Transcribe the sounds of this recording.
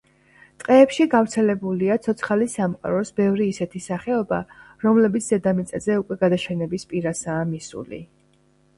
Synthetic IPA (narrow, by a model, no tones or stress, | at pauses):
t̪ʼqʼɛːpʃiɡavɾt̪sʰɛlɛbuliat̪sʰɔt̪sʰχalisamχqʼa̰ɾɔsbɛvɾiːsɛt̪ʰisaχɛɔbaɾɔmlɛbit̪ʰzɛd̪amit̪sʼɛzɛukʼwɛɡad̪aʃɛnɛbispʼiɾasaːmisṵlḭ